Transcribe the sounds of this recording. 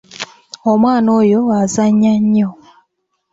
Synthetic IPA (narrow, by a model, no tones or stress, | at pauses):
omwaːnoːjoazaɲːaɲːo